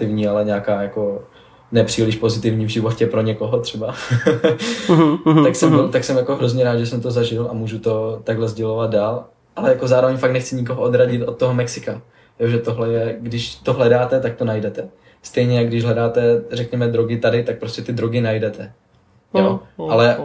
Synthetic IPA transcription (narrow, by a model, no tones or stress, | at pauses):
ɪvɲiːalɛɲɛakaːjako̞ | nɛpr̥iːlɪʃpo̞zɪt̪ɪvɲiːvʒɪvo̞cɛpɾo̞ɲɛko̞ɦo̞t̪r̥ɛba | aksɛmot̪aksɛmjako̞ɦɾozɲɛɾaːd̪ʒɛsɛmt̪o̞zaʒɪlʔamuːʒut̪o̞t̪aɡɦlɛzɟɛlo̞vad̪̚daːl | ʔalɛjakozaːɾovɛɲfaktnɛxt͡sɪɲɪko̞ɦoʔo̞d̪ɾaɟɪt̪ʔo̞t̪̚ːoɦomɛksɪka | joʒɛt̪o̞ɦlɛjɛɡdɪʃt̪o̞ɦlɛdaːt̪ɛt̪ak̚t̪o̞najdɛt̪ɛ | st̪ɛjɲɛjaɡdɪʒɦlɛdaːt̪ɛrɛkɲɛmɛd̪ɾoɡɪt̪adɪt̪ak̚pɾo̞scɛt̪ɪd̪ɾoɡɪnajdɛt̪ɛ | joʔalɛ